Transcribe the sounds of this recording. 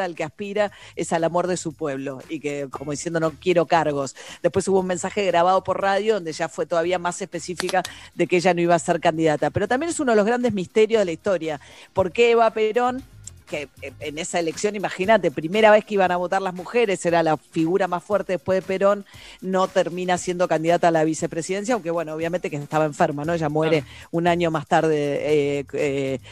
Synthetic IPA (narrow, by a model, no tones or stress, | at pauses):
alkeaspiɾaesalamo̞ɾð̞e̞supwe̞βlo̞ikeko̞moðisjend̪o̞nokje̞ɾo̞kaɾɣo̞sd̪epwesuβoume̞nsaxe̞ɣɾaβ̞aðo̞po̞ɾraðjoðo̞nd̪eʒafwe̞t̪o̞ð̞aβiamase̞hpe̞sifikaðe̞keeʒano̞iβaseɾkand̪iðat̪ape̞ɾo̞t̪ambje̞nes̬unoðeloɣɾand̪ezmist̪e̞ɾjoðelaist̪o̞ɾjapo̞ɾkeβape̞ɾo̞nkeenesaele̞ksjo̞nimaxinat̪e̞pɾime̞ɾaβe̞hkeiβanaβ̞o̞t̪aɾlazmuxe̞ɾe̞seɾalafiɣuɾamasfweɾt̪eðepwe̞ðepe̞ɾo̞nːo̞t̪eɾmĩnasje̞nd̪o̞kand̪iðat̪aːlaβise̞pɾe̞siðe̞ns̬jawŋke̞βwe̞nooβ̞jament̪e̞ke̥t̪aβaeɱfeɾmano̞eʒamweɾe̞unaɲo̞mast̪aɾðe | e